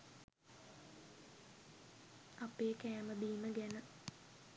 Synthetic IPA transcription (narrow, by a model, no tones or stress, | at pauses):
ɐpeːkæːməb̪iːməɡænə